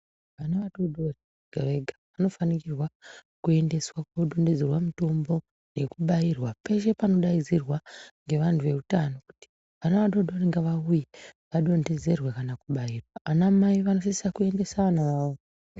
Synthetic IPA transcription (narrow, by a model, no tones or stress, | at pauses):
ʋanaʋaɗo̞do̞re | ŋɡaʋe̞ɡʱaʋano̞fanikirwa | kue̞nde̞swakoɗo̞nde̞d͡zerwamito̞mbo̞ | ne̞kuɓajirwapeʒe̞pano̞ɗaizirwaŋɡe̞ʋantʰuʋe̞utano̞ku̥ti̥ | ʋanaʋaɗo̞ɗo̞ɾiŋɡaʋaujiʋaɗo̞nde̞ze̞rwekanakuɓajirwaanammaiʋano̞sisakue̞nde̞saanaʋao